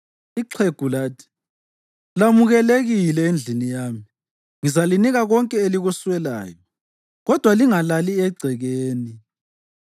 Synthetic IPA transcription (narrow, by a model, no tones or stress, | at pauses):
iǀʰeɡ̥ʱulaːtʰi̥ | lamuɣɛleɣilɛend͡ɮʱinijaːmi | ŋizaliniɣaɣɔŋkʼɛeliɣuswɛla̰ːjɔ | ɣɔd̥ʱwaliŋalaliɛɡ͡ǀʱɛɣeːni